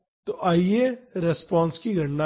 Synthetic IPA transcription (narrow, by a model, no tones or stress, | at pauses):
t̪oʔaːieɾespɔ̃ːnskiɡʱɐɽna